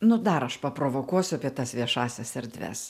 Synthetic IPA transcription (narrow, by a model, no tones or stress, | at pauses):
nʊd̪ɐɾɐʃpɐpɾoːʋoːkuɔsʲʊɐpʲiɛt̪ɐsʋʲiɛʃɑːsʲɛsɛɾʲd̪ʲʋʲæ̰s